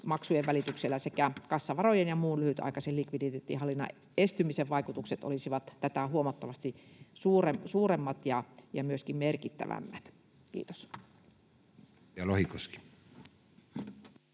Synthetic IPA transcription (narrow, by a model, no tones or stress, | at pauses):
mɑksujeʋʋælit̪ykselːæsekækɑsːɑʋɑrojenjɑmuːnlyhyt̪ɑ̰ikɑsellikʋidit̪et̪ːḭhɑlːinːɑ̰ | est̪ymiseʋʋɑikut̪ukset̪o̰lisiʋɑt̪t̪æt̪æhuomɑt̪ːɑʋɑst̪isuːresuːremːɑt̪jɑjɑmyøskimmerkit̪ːæ̰ʋæ̰mːæt̪ | kḭːt̪o̥s | jɑlohikoski̥